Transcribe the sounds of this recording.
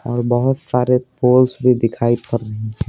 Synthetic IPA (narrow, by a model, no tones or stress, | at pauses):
ɔːɾbɐɦʊt̪saːɾepoːlsbʱid̪ɪkʰaːipɐɾːɐɦiɦɛ̃ː